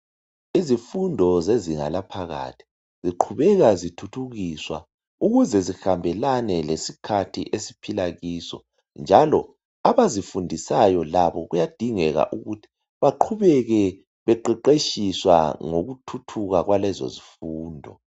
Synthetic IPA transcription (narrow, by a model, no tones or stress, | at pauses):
izifundʱɔzeziŋa̰lapʰaɣa̰tʰi̥ | z̥iǃʰuβɛɣazitʰutʰuɣiswa̰ | uɣuzɛzixambʱɛlanɛlesikʰatʰḭʔesi̥pʰilaɣiːsɔ̰ | nd͡ʒʱalɔ | aβazifundʱisajɔlaβɔɣujad̥ʱiŋɛɣa̰ʔuɣutʰi̥ | βaǃʰuβɛɣɛ | βɛǃɛǃeʃiswa̰ŋoɣutʰutʰuɣaɣwalɛzo̰zifuːndʱɔ̰